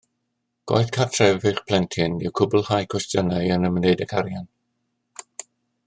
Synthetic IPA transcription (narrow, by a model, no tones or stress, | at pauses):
ɡ̥wa̰jθkʰartʰrɛvvɨχpʰl̥ˠɛntʰɪnɪwkʰʊbʊlˠhajkʰwɛstənajənəməneɨdəkʰaɾjan